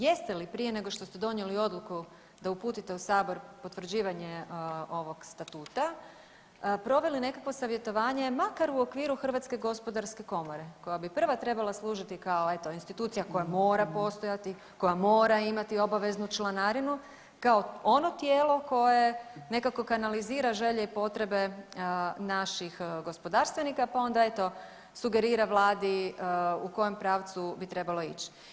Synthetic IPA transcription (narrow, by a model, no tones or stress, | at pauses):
je̞st̪e̞lipɾije̞ne̞ɡo̞ʃt̪o̞st̪e̞d̪o̞njelio̞d̪lˠuku | d̪aupuːt̪it̪e̞usaːbo̞ɾpo̞t̪ʋr̩d͡ʑiːʋaɲeo̞ʋo̞ɡst̪at̪uːt̪a | pɾo̞ʋe̞line̞kakʋosaʋjet̪o̞ʋaːɲemakaɾuokʋiːɾuxr̩ʋat̪ske̞ɡo̞spod̪aɾske̞ko̞mo̞ɾe̞ko̞jabipr̩ʋat̪ɾe̞balˠaslˠuːʒit̪ikaoe̞t̪oinst̪it̪uːt̪sijako̞jamo̞ːɾapo̞st̪ojat̪i | ko̞jamo̞ːɾaimat̪io̞baʋe̞znut͡ʃlˠanaɾinu | kaoo̞no̞t̪jeːlˠo̞ko̞je̞ne̞kako̞kanaliziːɾaʒe̞ʎeipo̞t̪ɾe̞be̞ | naʃixɡo̞spo̞d̪aːɾst̪ʋenikapao̞nd̪ae̞t̪o̞ | suɡe̞ɾiːɾaʋlˠaːd̪i | uko̞je̞mpɾaːʋt̪subit̪ɾe̞balo̞ḭt͡ɕi̥